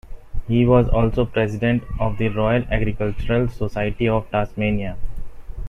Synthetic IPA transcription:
hiːʋɔːzɔːlsoːpɾɛsɪɖẽɳʈɔːʋd̪iɾɔːɪəlæɡɾɪkəlt͡ʃəɾəlsosaɪəʈiɔːʋʈaːsmẽːnia

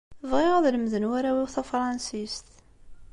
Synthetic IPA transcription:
vʁɪʁðləmðənwæɾæwiwθæfɾˤɑnsist̪

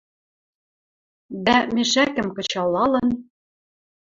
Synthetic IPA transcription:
d̪æmɘ̆ʃækɘ̆mkɤ̆t͡ɕɑlːɑlɤ̆n

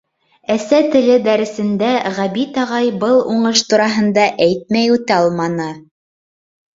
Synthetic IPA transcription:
æsæt̪ɘ̆lɘd̪æɾɘ̆sɘ̆nd̪æʁæβit̪ɑʁɑjbɤlˠuɴɤʃt̪uɾɑɦɤ̆nd̪ɑʔæjt̪̚mæjʉt̪ɑlˠmɑnɤ

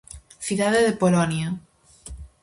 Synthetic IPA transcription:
θiðaðeðepolonja

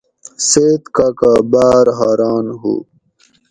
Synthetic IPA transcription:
seːt̪kakabaːɾɦaːɾaːnɦṵ

